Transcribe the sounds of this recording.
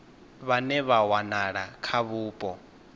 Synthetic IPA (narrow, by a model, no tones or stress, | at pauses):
βanɛβawanaɺakʰaβuːpʼɔ